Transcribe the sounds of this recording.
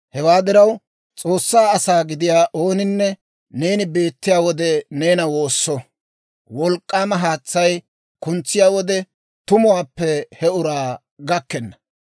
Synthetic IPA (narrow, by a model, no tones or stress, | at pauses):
hɛwaːd̪ɪɾɐw | t͡sʼo̞ːsːaːɐsaːɡɪd̪ɪjaːʔo̞ːnɪnːɛ | ne̞ːnɪbe̞ːt̪ːɪjaːwɔd̪ɛne̞ːnɐwoːsːɔ | wɔlkʼːaːmɐɦaːt͡sːɐj | kʊnt͡sːɪjaːwɔd̪ɛ | t̪ʊmʊwaːpːɛhɛʊɾaː | ɡɐkːɛnːɐ